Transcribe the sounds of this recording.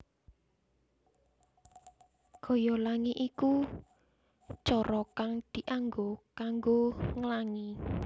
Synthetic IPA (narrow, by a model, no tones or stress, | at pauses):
ɡ̥ɔ̤jɔlaŋiʔiku | t͡ʃɔɾɔkaŋd̪̥i̤ʔaŋɡokaŋɡoŋəlaŋi